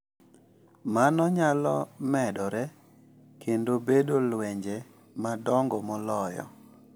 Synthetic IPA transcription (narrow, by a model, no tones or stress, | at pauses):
manɔɲalɔmɛdɔɾɛ | kendobedolwɛɲd͡ʒe | madɔŋɡɔmɔlɔjɔ̰